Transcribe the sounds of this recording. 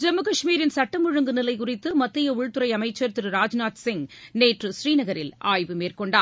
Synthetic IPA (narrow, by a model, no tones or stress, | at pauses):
d͡ʒɛmːɯkɐʂmiːɾɪnsɐʈːɐmɯɻɯŋɡɯnɪlɐɪkʊrɪt̪ːɯmɐt̪ːɪjɐʊɻt̪ɯɾɐɪɐmɐɪt͡ʃːɐɾt̪ɪɾɯɾaːd͡ʒnaːt̪sɪŋneːʈrɯʃɾiːnɐɣɐɾɪ̰laːjʋɯmeːrkɔɳɖaː